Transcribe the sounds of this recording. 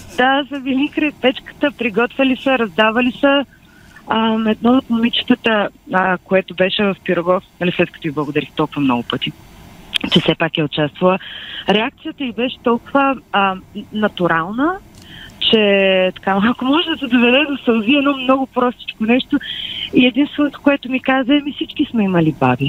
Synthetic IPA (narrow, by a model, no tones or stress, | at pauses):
d̪azɐvilikɾɛp̪ɛt͡ʃkə̥t̪əpɾiɡɔt̪vʲəlisəɾɐzd̪avɐlisə | əmɛd̪naok̪nʊmit͡ʃi̥t̪ət̪əəkoɛt̪ʊbɛʃɛvɐfpiɾoɡɔfnɐlislɛt̪̚kət̪ɔiblˠɐɡoʊd̪ɐɾixt̪ɔlˠkʊvəmnɔ̰ɡʊpət̪i | t͡ʃɛsɛpakɛʊt͡ʃast̪vɐlˠəɾɛak̚t̪sijət̪əibɛʃɛ̥t̪ɔlˠkʊvə | nɐt̪uɾalˠnə | t͡ʃɛt̪ɐ̥kamakomɔʒɛd̪ɐsɛd̪ovɛd̪ɛd̪osɐlˠziɛnɔmnɔɡʊpɾɔst̪i̥t͡ʃkonɛʃt̪oiɛd̪inst̪vɛnot̪o̥koɛt̪ʊmikazəɛmisit͡ʃkismɛimɐlibabi